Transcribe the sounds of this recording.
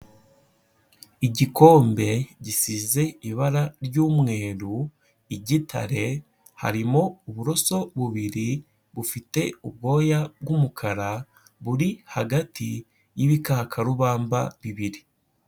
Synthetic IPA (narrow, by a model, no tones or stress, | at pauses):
iɟiko̞ːmbe̞ɟisize̞iβaɾaɾɟuːmŋe̞ːɾu | iɟitʰa̰ɾe̞ | ha̰ɾimo̞uβuɾo̞so̞βuβiɾi | βufite̞uβ̚ɡo̞ːjabɡumukʰaɾa | βuɾihaɡatʰi | jiβikakʰaɾuβaːmbaβiβiɾi